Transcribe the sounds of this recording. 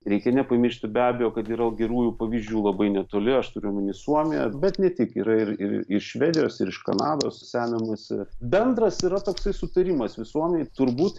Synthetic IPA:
ɾʲɛɪkʲɛnʲɛpɐmʲɪʃʲt̪ʲɪbʲæːbʲɛjoːkɐt̪iɾɐlˠɡʲɛɾuːjuːpɐʋʲiːzʲd͡ʒʲuːlˠɐbɐɪnʲɛt̪oːlʲɪɐʃt̪ʊɾʲʊmɐnʲɪsuɔmʲɪjɛ̰bʲɛt̪nʲɛt̪ʲɪkiːɾɐɪɾɪ̰ɾ̰ɪʃʃʲʋʲɛːd̪ʲɪjoːsɪɾɪʃkɐ̰nɑːd̪oːssʲæːmʲɪmɐsʲɪ̰bʲɛnd̪ɾɐsiːɾɐt̪oːksɐɪsʊt̪ɐɾʲiːmɐsʋʲɪsuɔmʲɛnʲɛɪt̪ʊɾbuːt̪

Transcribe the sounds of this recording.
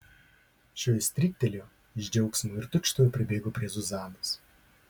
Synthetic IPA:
ʃʲoːjɪsʲt̪ʲɾʲɪk̚ʲt̪ʲɛlʲoː | ɪʒʲd͡ʒʲɛʊksʲmuːɪɾt̪ʊkʃt̪ouːpʲɾʲɪbʲeːɡoːpʲɾʲiɛzʊzɑːnoːs

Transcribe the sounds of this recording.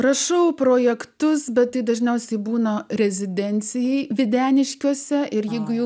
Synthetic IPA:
rɐʃɐʊpɾoːjɛkt̪ʊsbʲɛt̪tːɐɪd̪ɐʒʲnʲɛʊsʲɛɪbuːnɐɾʲɛzʲɪd̪ʲɛnʲt̪t͡s̪ʲɪjɛɪʋʲɪd̪ʲæːnʲɪʃʲkʲuɔsʲɛɪɾjɛɪɡʊjɛʊ

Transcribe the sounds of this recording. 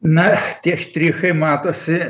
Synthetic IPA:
nɐt̪ʲiɛʃt̪ʲɾʲiːxɐɪmɑːt̪oːsʲɪ

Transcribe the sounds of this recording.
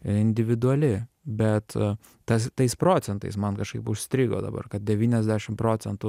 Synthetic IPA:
ɪnʲd̪ʲɪʋʲɪd̪ʊɐlʲɪ | bʲɛt̪ | t̪ɐst̪ɐɪspɾoːt͡s̪ʲɛnt̪ɐ̰ɪsmɐnkɐʃkɐɪpʊʃʲsʲt̪ʲɾʲiːɡo̰ːd̪ɐ̰bɐ̰rkɐt̪̚d̪ʲɛʋʲiːnʲɛzʲd̪ʲæʃʲɪmpɾoːt͡sʲɛnt̪ʊ

